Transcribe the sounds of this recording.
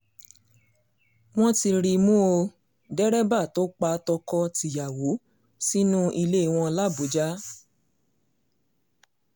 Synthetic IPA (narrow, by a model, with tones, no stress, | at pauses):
w̃ɔ̃˦ti˧ɾi˧mũ˦o˧ | dɛ˦ɾɛ˦ba˦˨to˦k͡pa˧tɔ˧kɔ˧ti˨ja˨wo˨˦ | si˦nũ˦ʔi˧le˦i˨w̃ɔ̃˧la˦˨bu˨˦d͡ʒa˦